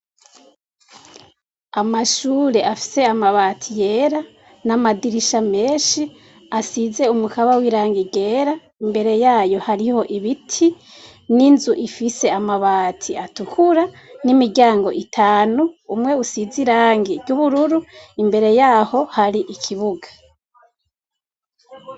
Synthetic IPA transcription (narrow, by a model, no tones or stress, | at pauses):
amaʃuːɾe̞ʔafi̥se̞amaβaːtʰije̞ːɾa | namadiɾiʃame̞ːnʃi | asize̞umukaβawiɾaːŋɡiɡe̞ːɾa | imbe̞ɾe̞jaːjo̞haɾiho̞ʔiβitʰi | ninzuʔifise̞amaβaːtʰiatukʰuɾa | nimiɟaːŋɡo̞ʔitʰaːnuumŋe̞usiziɾaːŋɡiɡɟuβuɾuɾuimbe̞ɾe̞jaːho̞haɾiʔikʰiβuɡḁ